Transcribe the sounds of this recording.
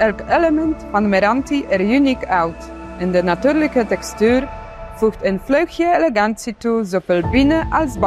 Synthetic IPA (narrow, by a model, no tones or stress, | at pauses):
ɛlkɛləmɛntfɑnmɛɾɑntiʔɛɾjynikawt | ɛndənatyːɾləkətɛkstyːɾ | fuxtənflœɥxjəeleɡansituzofelbinəʔɑlˠsb